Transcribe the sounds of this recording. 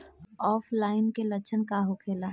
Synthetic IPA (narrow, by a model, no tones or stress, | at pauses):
ɔːfʰlaːɪnkelɐt͡ʃʰənkaɦokʰeːlaː